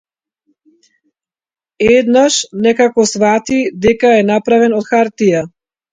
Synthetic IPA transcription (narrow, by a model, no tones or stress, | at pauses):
ɛd̪naʃnɛkakɔsvat̪id̪ɛkaɛnapɾavɛnɔt̪xaɾt̪ija